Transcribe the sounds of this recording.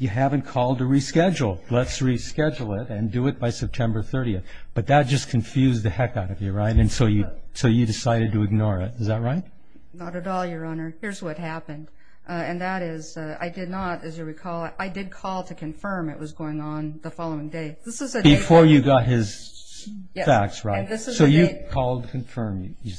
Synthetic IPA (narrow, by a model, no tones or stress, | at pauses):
jɨɦævɨ̃nkʰɔlˠd̚tɨɹiskɛd͡ʒl̩ˠlətsɹiskɛd͡ʒl̩ˠɪɾɨ̃ndɨɨt̚b̥aɪsɛp̚tʰɛ̃mbə˞θɜ˞ɾiɨθb̥ʌt̪̚ðɨt̚d̥ʒ̥ʌskʰɨ̃ɱfjʉzðɨhɛkaʊɾʌvjəɹaɪɾɨ̃nsoʊjɨsoʊjɨdɨsaɪɾɨd̚tɨɨɡ̚nɔɹɪ̰tɨzðɨt̚ɹaɪt̚ | nəɾɨɾɔlˠjə˞ʌnə˞hɪɹzwʌt̚hæpɨ̃nd̥ | ɨ̃nðəɾɪza̰ɪdɨdⁿnəɾɨzjɨwikʰɔlˠʔaɪdɨd̚kʰɔlˠtʰɨkʰɨ̃ɱfɜ̃˞mɨ̰ʔ̚wʌzɡoʊɪ̃ŋə̃nðəfɑlˠoʊɪ̃ŋdeɪðɪsɨzɨbɨfɔɹjɨɡɑt̚hɪz̥ | fæk̚tsɹaɪ̃tðɪssoʊjɨkʰɔlˠd̚tʰɨkʰɨ̃ɱfɜ̃˞mjɨɨ